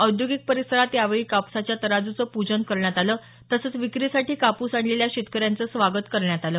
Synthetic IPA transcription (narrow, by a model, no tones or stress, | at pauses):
əwd̪joɡik̚pəɾisəɾat̪jaʋeɭiːkapsat͡ɕjat̪əɾad͡zut͡səpud͡ʑənkəɾɳjat̪aləː | t̪əsət͡sʋikɾiːsaʈiːkapuːsaɳleljaɕit̪kəɾjant͡səːsʋaɡət̪kəɾɳjat̪aləː